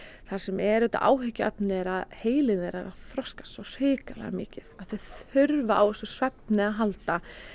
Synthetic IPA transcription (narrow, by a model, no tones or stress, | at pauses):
θḁsɛmɛɾʏt̪a̰ʔa̰ːwɦʏcːaœpnɪɛɾaðheːjlɪnɛɾaɾaθɾɔskḁst̪ɔr̥ɪːkalɛ̰ɣa̰mɪ̰ːcɪðaðθeɥθʏɾvaʔawɛsʏ̥svɛp̚nɪaɦalt̪a